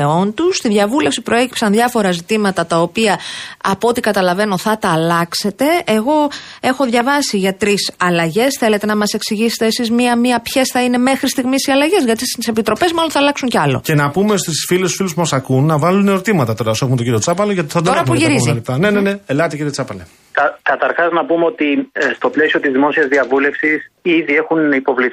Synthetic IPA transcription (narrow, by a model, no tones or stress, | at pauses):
eo̞nt̪ust̪iðʝɐvule̞fsipɾo̞e̞ci̥psɐnðʝɐfo̞ɾɐzit̪imɐt̪ɐt̪ɐo̞piɐɐpoot̪ikɐt̪ɐlɐve̞no̞θɐt̪ɐːlɐkse̞t̪e̞eɣo̞e̞xo̞ðʝɐvɐsiʝɐt̪ɾisɐlɐʝe̞sθe̞le̞t̪e̞nɐmɐse̞ksiʝise̥t̪eːsizmiɐmiɐpçesθɐine̞me̞xɾist̪iɣmisiɐlɐʝe̞zʝɐt̪isise̞pit̪ɾo̞pe̞zmɐlo̞nθɐlɐksuɲceɐlo̞̰ce̞nɐpumest̪isfilest̪u̥filuspumosɐkunːɐvɐluneoɾt̪imɐt̪ɐt̪o̞ɾɐosexumet̪oɟiɾio̞t͡sɐpɐloʝɐt̪i̥θɐd̪oɾɐpuʝiɾiziɐlit̪ɐne̞nene̞elɐt̪iciɾiot͡sɐpɐle | kɐkɐt̪ɐɾxɐznɐpumeo̞t̪ist̪o̞ple̞sio̞t̪izðimo̞siɐzðiɐvule̞fsisiðie̞xunipo̞vli